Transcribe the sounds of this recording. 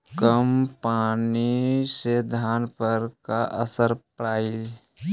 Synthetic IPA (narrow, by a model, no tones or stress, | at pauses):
kəmpaːnised̪ʱaːnpəɾka̰ʔəsəɾpɽaːi